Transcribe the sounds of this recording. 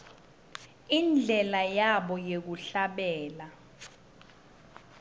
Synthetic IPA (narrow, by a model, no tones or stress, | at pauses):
ind͡ɮʱɛlajaɓɔjek̬uɬaɓɛːla